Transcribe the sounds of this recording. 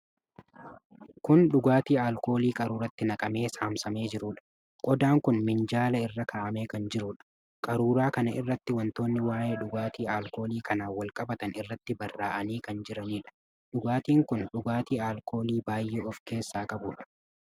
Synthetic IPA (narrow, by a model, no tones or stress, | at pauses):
kʊnɗʊɡaːt̪iːaːlko̞ːliːkʼɐɾuːɾɐt̪ːɪnɐkʼɐme̞ːsaːmsɐme̞ːd͡ʒɪɾʊᶑɐ̥ | kʼɔd̪aːŋkʊnmɪnd͡ʒaːlɐɪrːɐkʰaːʔɐme̞ːkɐnd͡ʒɪɾʊːᶑɐ̥ | kʼɐɾuːɾaːkɐnɐʔɪrːɐt̪ːɪwɐnt̪o̞ːnːɪwaːjeːᶑʊɡaːt̪iːaːlko̞ːliːkɐnaːwɐlkʼɐbɐt̪ɐnɪrːɐt̪ːɪbɐrːaːʔɐniːkɐnd͡ʒɪɾɐniːᶑɐ̥ | ᶑʊɡaːt̪iːŋkʊnɗʊɡaːt̪iːaːlkʰo̞ːliːbaːjːeːɔfke̞ːsːaːkʼɐbuːᶑɐ̥